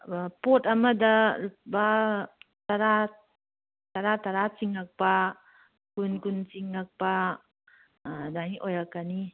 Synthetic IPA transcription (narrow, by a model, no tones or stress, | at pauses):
potɐmɐdɐba | taɾa | taɾataɾat͡ʃiŋak̚pa | kunkunt͡ʃiŋːak̚pa | daŋiʔojɾakːani